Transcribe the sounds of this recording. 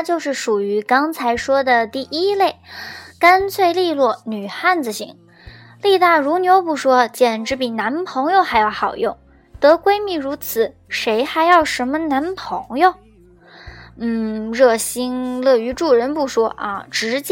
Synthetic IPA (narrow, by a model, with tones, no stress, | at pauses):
t͡ɕjo˥˧ʊʂɻ̩˥˩ʂu˨˩y˧˥kɑ˥ŋt͡sʰa˧˥ɪʂwɔ˥d̪ə˨t̪i˥˩ʔi˥le˥˩ɪka˥nt͡sʰwe˥˧ɪli˥˧lwɔ˥˩ny˨˩xa˥˩nd͡zɹ̩˨˩ɕḭ˧˥ŋ | li˥˧t̪a˥˩ɻu˧˥njo˧˥ʊpu˥˩ʂwɔ˥t͡ɕjɛ˨˩nʈ͡ʂɻ̩˧˥pi˨˩na˧˥npʰɤ˧˥ŋjo˧ʊxa˧˥ɪjɑ˥˩ʊxɑ˨˩ʊjʊ˥˩ŋ | t̪ɤ˧˥kwe˥ɪmi˥˩ɻu˧˥t͡sʰɹ̩˨˩˦ʂe˧˥ɪxa˧˥ɪjɑ˥˩ʊʂə˧˥nmə˧na˧˥npʰɤ˧˥ŋjo˥˧ʊ | n̩˥˩ɻɤ˥˩ɕi˥nlɤ˥˩y˧˥ʈ͡ʂu˥˩ɻə˧˥npu˥˩ʂwɔ˥ʔa̰˧ʈ͡ʂɻ̩˧˥t͡ɕ